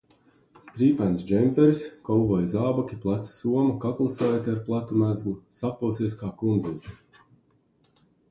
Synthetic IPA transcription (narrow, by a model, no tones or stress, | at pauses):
st̪ɾiːpænsd͡ʒɛmpʲɛɾiskɔwvɔjzaːbakʲiplˠat̪si̥suɔmakaklˠɨsajt̪ʲiaɾplˠat̪umæzɡlˠusapuwsiɛskaːkund̪ziɲʲt͡ʃu̥